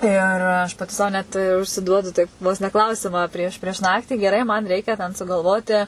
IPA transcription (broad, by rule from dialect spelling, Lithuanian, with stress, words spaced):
ɪr ˈɐʃ pɐˈtʲɪ sɐʊ ˈnʲɛt ʊʃʲsʲɪˈduɔdʊ ˈtɐɪp ʋoːs nʲɛ ˈklˠɐʊsʲɪmɑː ˈpʲrʲiɛʃ pʲrʲiɛʃ ˈnɑːktʲiː ɡʲɛˈrɐɪ mɐn ˈrʲɛɪkʲɛ tʲɛn sʊɡɐlˠˈʋoːtʲɪ